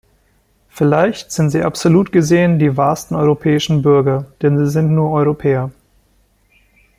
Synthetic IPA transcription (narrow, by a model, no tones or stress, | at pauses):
fɪlaɪçtz̥ɪntz̥iːʔapz̥oluːtɡ̥əzeːəndiːvaːɐstn̩ɔʏʁopʰɛːɪʃn̩bʏɐɡɐd̥ɛnziːzɪntnuːɐʔɔʏʁ̞opʰɛːɐ